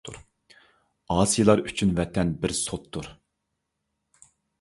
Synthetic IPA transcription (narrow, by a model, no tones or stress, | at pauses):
ṵɾ | ɑːsɨjlˠɑɾyt͡ʃʰynvɛt̪ʰɛnbɪɾsot̪ʰːuɾ